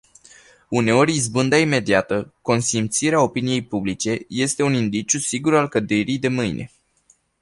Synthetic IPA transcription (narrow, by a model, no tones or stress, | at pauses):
une̞o̞ɾʲizbɨnd̪aime̞d̪iat̪əko̞nsimt̪siɾeao̞pinije̞jpublit͡ʃe̞je̞st̪e̞unind̪it͡ʃusiɡuɾalkəd̪eɾijd̪e̞mɨjnʔe̞̰